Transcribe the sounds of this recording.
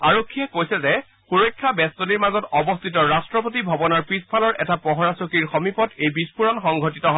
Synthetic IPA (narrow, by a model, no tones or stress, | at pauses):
aɹokʰːijɛkojsɛzɛ | xuɹojkʰːabɛstoniɹmazɔtɔbɔst̪ʰitɔɹastɹɔp̬otibʱɔbɔnɔɹpɹispʰalɔɹʔɛtapɔɦɔɹasokiɹxɔmipɔtejbispuɹɔnxɔŋɡʱotitɔɦ